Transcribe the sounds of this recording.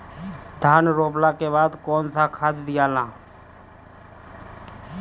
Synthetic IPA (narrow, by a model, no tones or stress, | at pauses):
d̪ʱaːnɾoːplakeβaːd̪kɔːnsakʰaːd̪d̪ɪjaːlãː